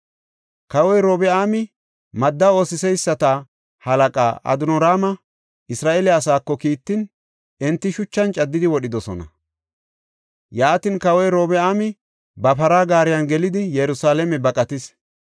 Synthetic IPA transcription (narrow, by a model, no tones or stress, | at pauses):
kɐwɔjɾo̞ːbɛaːmɪ | mɐd̪ːɐo̞ːsɪsɛjsːɐt̪a | hɐlɐkʼa̰ːʔɐ̰d̪ʊnɔɾaːmɐ | ʔɪsɾaːʔeːlɪɐsaːkːɔkiːt̪ːɪn | ɛnt̪ːɪʃʊt͡ʃːɐnt͡ʃʼɐd̪ːɪd̪ɪwɔɗɪd̪ɔsɔ̰nɐ̰ | jaːt̪ɪnkɐwɔjɾo̞ːbɛaːmɪ | bɐpɐɾaːɡaːɾɪjɐnɡɛlɪd̪ɪjɛɾʊsaːlɛmɛbɐkʼɐt̪ɪs